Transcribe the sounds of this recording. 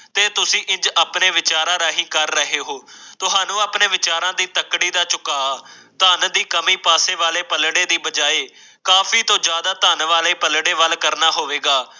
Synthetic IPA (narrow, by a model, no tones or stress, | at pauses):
t̪eːt̪ʊsĩːʔɪ̃nd͡ʒaːpneːʋɪt͡ʃaːɾãːɾaːɦĩːkəɾːəɦeːɦoːt̪ʊɦãːnũːaːpneːʋɪt͡ʃaːɾãːd̪iːt̪əkɽiːd̪aːt͡ʃʊkaː | t̪aːnd̪iːkəmiːpaːseːʋaːleːpəlɽeːd̪iːbəd͡ʒaːeː | kaːpʰiːt̪õːd͡ʒjaːd̪aːt̪aːnʋaːleːpəlɽeːʋəlkəɾnaːɦoːʋeːɡaː